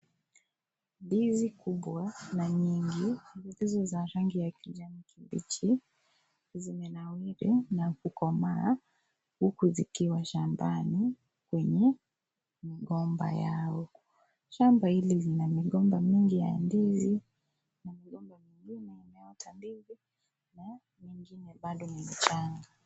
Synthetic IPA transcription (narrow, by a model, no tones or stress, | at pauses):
ndizikuɓwanaɲiŋɡivutizɔzaɾaŋɡijakiʄamikimbḭt͡ʃi | zimɛnawiɾɛnakukɔma | hukuzikiwaʃambani | kwɛɲɛ | miɠɔmba̰jaɔ | ʃambahililinamiɠɔmbamiŋɡija̰ɛ̰ndizi | namiɠɔmbamiŋɡinɛimɛɔtʰambivi | na | miŋɡinɛɓaɗɔnim̩t͡ʃaŋɡa